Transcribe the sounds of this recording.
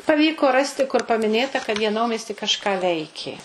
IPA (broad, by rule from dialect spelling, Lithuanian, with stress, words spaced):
pɐˈʋʲiːkoː ˈrɑːsʲtʲɪ kʊr pɐmʲɪˈnʲeːtɐ kɐt jiɛ ˈnɐʊmʲiɛsʲtʲiː kɐʃˈkɑː ˈʋʲɛɪkʲeː